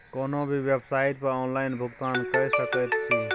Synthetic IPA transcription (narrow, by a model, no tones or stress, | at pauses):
koːnõːbʱiʋjebsaːɪt̪̚pɐɾoːnlaːɪnbʱʊkt̪aːnkəɦsəkət̪t͡ʃʰĩː